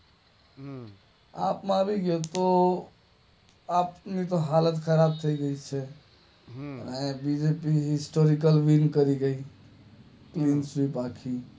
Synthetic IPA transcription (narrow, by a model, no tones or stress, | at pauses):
a̰pmãbʱiɡet̪ɔ | apnit̪ɔɦalət̪kʰəɾab̚t̪ʰəjɡəjt͡ʃʰɛ | nabid͡ʒepiɦisʈoɾikəlʋinkəɾiɡəi | klinsɾipakʰi